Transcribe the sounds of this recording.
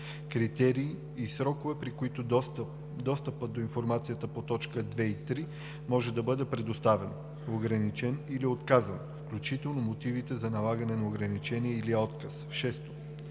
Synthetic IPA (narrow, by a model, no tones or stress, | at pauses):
kɾit̪ɛɾiː | sɾɔkovɛpɾikoit̪oʊ | d̪ɔst̪əpəd̪oinfoɾmat̪sijət̪əpot̪ɔt͡ʃkəd̪vɛit̪ɾi | mɔʒɛd̪ɐbɤd̪ɛpɾɛd̪ost̪avɛn | oɡɾɐnit͡ʃɛniliot̪kazənfklʲut͡ʃit̪ɛlˠnomot̪ivit̪ɛzɐnɐlˠaɡənɛnɐoɡɾɐnit͡ʃɛniɛiliɔt̪kɐsʃɛst̪o̥